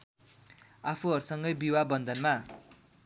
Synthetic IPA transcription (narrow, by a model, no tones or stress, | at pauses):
apʰuɦʌɾsʌŋɡʌjbiwabʌnd̪ʌnma